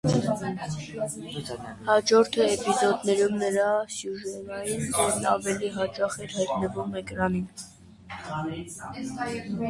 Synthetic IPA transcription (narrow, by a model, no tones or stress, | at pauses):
hɑd͡ʒɔɾt̪ʰəɛpizɔd̪nɛɾumnəɾɑsjuʒɛnɑjind̪ɛɾnɑ̰vɛliɦɑt͡ʃɑχɛɾhɑjt̪nəvumɛkɾɑnin